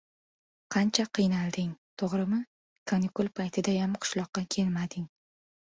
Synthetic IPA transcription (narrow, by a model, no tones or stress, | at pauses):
qʰɑnt͡ʃʰaqʰɨjnalˠd̪ɪŋt̪ʰoʁɾɪmɪ | kʰonɪkulˠpʰajt̪ʰɪd̪ajamqʰʊ̥ʃlˠɒqːɑkʲʰe̞lmad̪ɪŋ